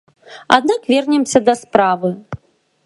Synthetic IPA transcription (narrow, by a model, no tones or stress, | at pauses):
a̰d̪nakvʲɛrnʲɛmsʲɐd̪ɐspɾavɨ